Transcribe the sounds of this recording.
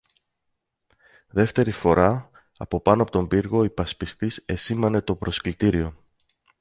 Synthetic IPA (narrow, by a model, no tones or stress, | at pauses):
ðe̞ft̪e̞ɾifo̞ɾɐ | ɐ̰po̞pɐnoɐpo̞t̪o̞mbiɾɣo̞ipɐspist̪ise̞simɐne̞t̪o̞pɾo̞sklit̪iɾio̞